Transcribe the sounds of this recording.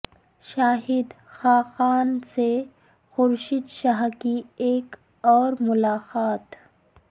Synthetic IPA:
ʃaːɦɪd̪ | xaːxaːnse | xʊɾʃid̪ʃaɦkieːk | ɔːɾmʊlaːqaːt̪

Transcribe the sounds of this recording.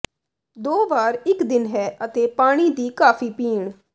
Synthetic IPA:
d̪oːʋaːɾɪkd̪ɪnɦɛːʔət̪eːpaːɽ̃iːd̪iːkaːpʰiːpiːɳ

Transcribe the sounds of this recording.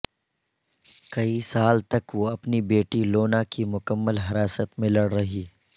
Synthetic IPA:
kɐisaːlt̪ɐkʋoɐpnibeːʈiloːnakimʊkəmːəlɦɐɾaːsət̪mẽlɐɽɾɐɦiː

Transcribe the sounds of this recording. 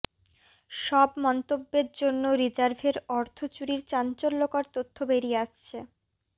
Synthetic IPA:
ʃɔbmɔnt̪obːeɾd͡ʑonːoɾid͡ʑaɾbʱeɾɔɾt̪ʰot͡ɕuɾiɾt͡ɕant͡ɕolːokaɾt̪ot̪ʰːobeɾieaʃt͡ɕʰe

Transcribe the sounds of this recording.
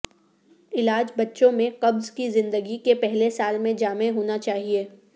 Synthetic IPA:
ɪlaːd͡ʒbɐtːʃõmẽqɐbzkizɪ̃nd̪əɡikepɛɦlesaːlmẽd͡ʒaːmeɦoːnat͡ʃaːɦieː

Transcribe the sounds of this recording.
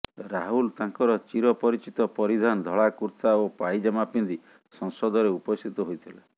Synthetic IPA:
ɾaɦult̪aŋkɔɾɔt͡ʃiɾɔpɔɾit͡ʃit̪ɔpɔɾid̪ʱand̪ʱɔɭakuɾt̪aopajd͡ʒamapind̪i | sɔŋsɔd̪ɔɾeupɔst̪ʰit̪ɔɦojt̪ʰila

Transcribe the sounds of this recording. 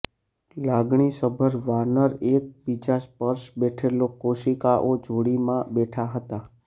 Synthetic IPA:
laɡɳ̃isəbʱəɾʋanəɾek̚bid͡ʒaspəɾʃbɛʈʰelokoʃikaʔod͡ʒoɽimãbɛʈʰaɦət̪a

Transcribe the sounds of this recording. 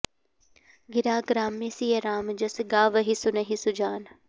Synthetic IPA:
ɡɪɾaːɡɾaːmːẽsijeɾaːmd͡ʒɐsɡaːʋəɦisʊnɐɦisʊd͡ʒaːn

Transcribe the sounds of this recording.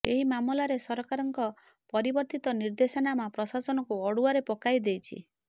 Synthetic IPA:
eɦimamɔlaɾesɔɾɔkaɾɔŋkɔ | pɔɾibɔɾt̪it̪ɔniɾd̪esɔnamapɾɔsasɔnɔkuɔɽuaɾepɔkajd̪ejt͡ʃʰḭ

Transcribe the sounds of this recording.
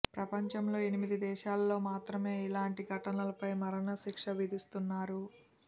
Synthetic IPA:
pɾɐpɐɲt͡ʃɐmlo̞ːe̞nimid̪id̪ɛːʃaːlːo̞ːmaːt̪ɾɐme̞ːilaːɳʈiɡʱɐʈɐnɐlɐpɐjmɐɾɐnɐʃikʂɐʋid̪ust̪unːaːɾu

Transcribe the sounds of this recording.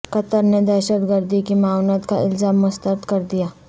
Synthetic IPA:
kɐt̪əɾned̪ɛːʃət̪ɡəɾd̪ikimaːwnət̪ka̰ʔɪlzaːmːʊst̪əɾt̪kɐɾd̪ijaː

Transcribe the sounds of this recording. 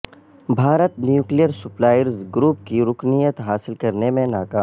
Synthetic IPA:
bʱaːɾət̪njuːklijəɾsʊplaːjəɾzɡɾuːpkiɾʊknijət̪ɦaːsɪlkɐɾnemẽnaːkaːm

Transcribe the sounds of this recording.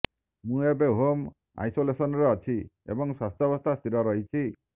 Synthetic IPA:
mũebeɦom | a̰jsolesɔnɔɾeɔt͡ʃʰi | ḛbɔŋswast̪ʰjɔbɔst̪ʰast̪ʰiɾɔɾɔɦit͡ʃʰi

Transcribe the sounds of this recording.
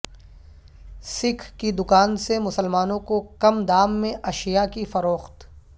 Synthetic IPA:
sɪkʰkid̪ʊkaːnsemʊsəlmaːnõkokɐmd̪aːmːẽʔɐʃijakifɐɾoːxt̪

